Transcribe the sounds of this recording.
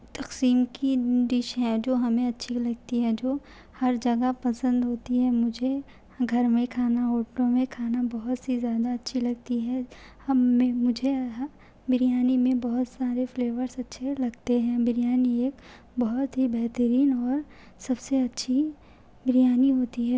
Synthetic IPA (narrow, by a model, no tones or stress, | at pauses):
t̪ɐqsiːmkid̪ɪʃɦɛ̃d͡ʒoːɦɐmẽɐtːʃʰilɐɡ̚t̪iɦɛd͡ʒoː | hɐɾd͡ʒɐɡapɐsə̃nd̪ɦoːt̪iɦɛmʊd͡ʒʱe | ɡʱɐɾmẽkʰaːnaoːʈnõmẽkʰaːnabɐɦʊt̪sizjaːd̪aɐtːʃʰilɐɡ̚t̪iɦɛ̃ | hɐmːẽmʊd͡ʒʱe | bɪɾijaːnimẽbɐɦʊt̪saːɾefleːʋəɾsɐtːʃʰelɐɡt̪eɦɛ̃bɪɾijaːnieːk | bɐɦʊt̪ɦibɛɦt̪əɾiːnɔːɾ | sɐbseɐtːʃʰi | bɾijaːniɦoːt̪iɦɛ